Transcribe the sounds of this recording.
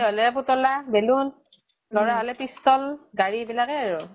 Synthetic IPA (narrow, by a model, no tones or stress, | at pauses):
ɦɔlɛp̬utɔlabelun | lɔɹaɦɔlɛpistɔlɡaɹibilakɛaɹu